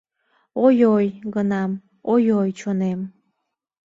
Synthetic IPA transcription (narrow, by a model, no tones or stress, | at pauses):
ojojɡənɑm | ojojt͡ɕonem